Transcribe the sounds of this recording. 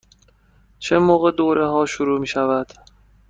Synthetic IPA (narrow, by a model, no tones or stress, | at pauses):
t͡ʃʰemoːɣe̞d̪oːɾʔeɦɒːʃuɾuːmiːʃævæd̪̥